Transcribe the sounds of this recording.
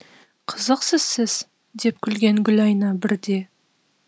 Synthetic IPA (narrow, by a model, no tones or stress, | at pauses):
qʰəzəqsəz̥sɪz̥ | d̪e̞p̚kʲʰʏlɡʲe̞ŋɡʲʏlɑjnɑbɪɾd̪e̞